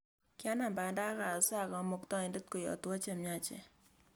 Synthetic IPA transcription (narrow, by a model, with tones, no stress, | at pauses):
kja˦na˨mba˨nda˦ka˨sa˦˨kɔ˨˦mo˨ktɔ˦i˨ndə˦t̚ko˨jɔ̰˨twa˦t͡ʃe˦˨mja˦t͡ʃḛ˨